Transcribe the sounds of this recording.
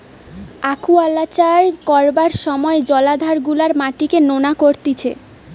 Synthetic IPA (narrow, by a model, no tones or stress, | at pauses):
akʰualːat͡ɕaɾkɔɾbaɾʃɔmɔed͡ʑɔlad̪ʱaɾɡulaɾmaʈikenonakoɾt̪it͡ɕʰḛ